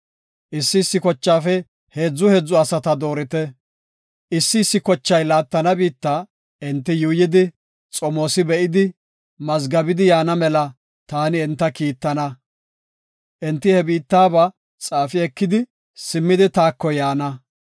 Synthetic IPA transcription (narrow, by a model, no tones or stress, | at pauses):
ʔɪsːɪsːɪkɔt͡ʃːaːfɛ | heːd͡zːʊhed͡zːʊɐsɐt̪ɐd̪o̞ːɾɪt̪ɛ | ʔɪsːɪːsːɪkɔt͡ʃːɐjlaːt̪ːɐnɐbiːt̪ːa | ɛnt̪ːɪjuːjɪd̪ɪ | t͡sʼɔmo̞ːsɪbɛʔɪd̪ɪ | mɐzɡɐbɪd̪ɪjaːnɐmɛlɐ | t̪aːnɪɛnt̪ːɐkiːt̪ːɐnɐ | ʔɛnt̪ːɪhɛbiːt̪ːaːbɐ | t͡sʼaːfɪɛkːɪd̪ɪ | sɪmːɪd̪ɪt̪aːkːɔjaːnɐ